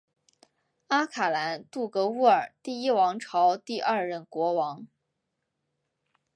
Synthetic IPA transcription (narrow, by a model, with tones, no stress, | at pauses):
a˥kʰa˨˩la˧˥nt̪u˥˩kɤ˧˥u˥˩ə˞˨˩t̪i˥˩i˥wɑ˧˥ŋʈ͡ʂʰɑ˧˥ʊt̪i˥˧ʔɐ˞˥˧ɻə˥˩nkwɔ˧˥wɑ˧˥ŋ